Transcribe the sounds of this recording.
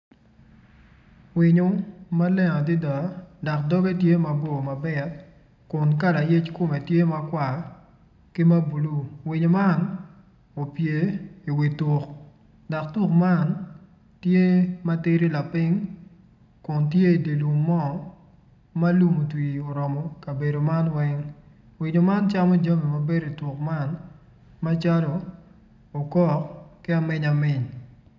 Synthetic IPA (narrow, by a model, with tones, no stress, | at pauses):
wɪ˨ɲo˨ma˦lɛ˦ŋɔ˨dɪ˦da˨dɔ˨kdɔ˦be˦tje˦ma˨bo˦˨ma˨bɛ˨t̚ | kʊ˨nka˦la˨je˦t͡ʃkʊ˦me˨tje˦ma˦kwa˨ | ki˦ma˦bu˨lu˦wɪ˨ɲo˨ma˦n | o˨pje˨i˨wi˨tu˨k | da˨k̚tu˦kma˦˨n | tje˦ma˦te˦ɾi˦la˨pɪ˦ŋ | kʊ˨ntje˦i˨de˨lu˨ŋmɔ˦ | ma˦lu˦mu˨twio˨ɾɔ˨mɔ˨kɐ˨be˨do˨ma˦nwɛ˦ŋ | wɪ˨ɲo˨ma˦nt͡ʃa˦mɔ˦d͡ʒa˦mi˨ma˨be˦ɾo˨i˨tu˨kma˦n | ma˦t͡ʃa˦loː˨ | kɔ˦kkɪ˦a˨mɪ˦ɲa˨mɪ˦ɲ